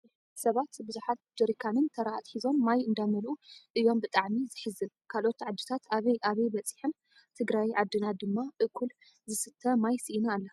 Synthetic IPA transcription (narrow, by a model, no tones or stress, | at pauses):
sɐβat̪bɨzuħat̪̚d͡ʒɨɾikʰanɨnt̪ʰɐɾaat̪ħizo̞nmajɨnd̪amɐlʔuʔɨjːo̞mbɨt̪ʼaʕmizɨħɨzɨn | kʰalʔo̞t̪ʕad̪ːɨt̪ʰat̪ʰaβɐjʔaβɐjbɐt͡sʼiħɨn | t̪ʰɨɡɾajʕad̪ːɨnad̪ɨmːaʔɨkʰːul | zɨsɨt̪ʰːɐmajsɨʔinaːlːɐ